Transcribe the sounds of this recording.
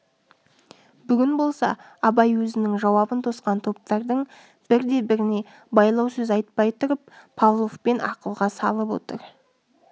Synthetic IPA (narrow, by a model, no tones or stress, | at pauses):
bʏɡʲɪnbo̞lˠsɑ̰ | ɑbɑjwɵzɪnɪŋʒɑwɑbənt̪ʰo̞sqɑnt̪ʰo̞p̚t̪ɑɾd̪əɴ | b̥ɪɾd̪e̞bɪɾɪne̞ | bɑjlˠɑwsɵzɑjt̪̚pɑjt̪ʰʊɾəp̚pʰɑlˠofpe̞nɑ̰qəlˠʁɑsɑlˠəpwo̞̰t̪əɾ